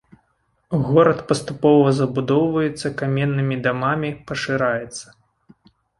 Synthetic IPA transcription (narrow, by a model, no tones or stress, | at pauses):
ɣɔɾɐt̪pɐst̪upɔvɐzɐbud̪ɔwvɐjɛt̪sːɐkamʲɛnːɨmʲid̪amamʲipɐʂɨɾajɛt̪sːɐ̥